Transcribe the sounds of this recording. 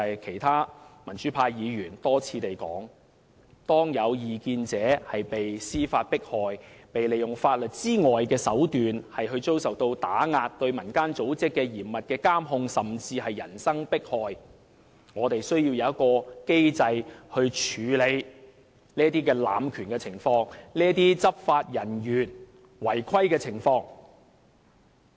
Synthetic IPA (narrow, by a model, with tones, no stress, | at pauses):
ɐ˨jkʰe˨˩jt̪ʰaː˥mɐ˨˩nt͡ʃyː˨˥pʰaː˧jjiː˨˧jyː˨˩nt̪ɔː˥t͡sʰiː˧t̪e˨jkɔ̰ː˨˥ŋ | t̪ɔː˥ŋjɐ˨˧wjiː˨˧kiː˧nt͡sɛː˨˧hɐ˨jpe˨jsiː˥faː˧t̚pɪ˥k̚hɔː˨˧jpe˨jle˨jʊ˨ŋfaː˧t̚lɵ˨t̚t͡siː˥ŋɔː˨jkɛː˧sɐ˨˥wt̪yː˨nhɐ˨jɦɵ˧ɥt͡so˥wsɐ˨wt̪o˧wt̪aː˨˥ŋaː˧t̚t̪ɵ˧ɥmɐ˨˩nkaː˥nt͡so˨˥wt͡sɪ˥kːɛː˧jiː˨˩mmːɐ˨t̚kɛː˧kaː˥mɦʊ˧ŋsɐ˨mt͡siː˧ɦɐ˨jːɐ˨˩nsɐ˥ŋpɪ˥k̚hɔː˨˧j | ŋɔː˨˧t̪e˨jsɵ˥ɥjiː˧wjɐ˨wɐ˥t̚kɔː˧ke˥jt͡sɐ˧jhɵ˧ɥt͡ʃʰyː˨˧le˨˧j | niː˥ɐ˥t̪iː˥k̬ɛː˧la̰ː˨mkʰyː˨˩nkɛː˧t͡sʰɪ˨˩ŋfɔː˧ŋniː˥ɐ˥t̪̬iː˥t͡sɐ˥p̚faː˧t̚jɐ˨˩njyː˨˩n | wɐ˨˩jkʰɐ˥jkɛː˧t͡sʰɪ˨˩ŋfɔː˧ŋ